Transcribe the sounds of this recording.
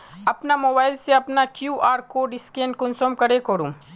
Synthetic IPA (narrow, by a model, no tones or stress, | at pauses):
ɐpnamoːbaːɪlseɐpnakjuːʔaːɾkoɖɪskẽːɳɖ̚kʊnsoːmkɐɾekoɾũ